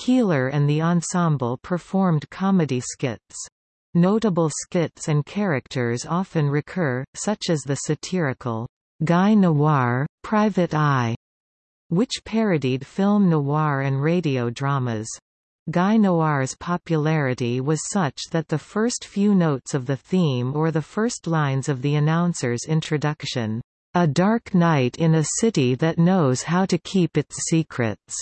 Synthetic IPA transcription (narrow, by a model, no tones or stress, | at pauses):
kʰilˠə˞ʔɨ̃nðiə̃nsɑ̃mbl̩ˠpʰə˞fɔɹmkʰɑmɨɾiskɪts | noʊɾəbl̩ˠskɪtsɨ̃nkʰɛɹɨk̚tʰə˞zɑfɨ̃nɹɨkʰɜ˞sʌt͡ʃɨzðɨsɨtʰɪɹɨkʰl̩ˠ | ɡaɪnoɑɹpʰɹ̥aɪvɨɾaɪ | wɨt͡ʃpʰɛɹɨɾid̥fɪlˠmnoɑɹɨ̃nɹeɪɾioʊdɹɑmɨz̥ | ɡaɪnoʊɑɹz̥pʰɑpjɨlɛɹɨɾiwʌz̥sʌt͡ʃðɨt̪̚ðɨfɜ˞stfjʉnoʊtsʌvðɨθĩmə˞ðəfɜ˞stˡlãɪ̃nzʌvðiɨnãʊ̃nsə˞zɪ̃ntʰɹ̥ɨdʌkʃɨ̃n | ədɑɹknaɪɾɪ̃nɨsɪɾiðɨtⁿnoʊz̥haʊɾɨkʰipɨtsikʰɹɨ̰ts